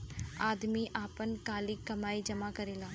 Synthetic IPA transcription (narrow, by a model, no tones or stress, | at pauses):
aːd̪miːʔaːpənkaːliːkəmaːiːd͡ʒəmaːkəɾeːlaː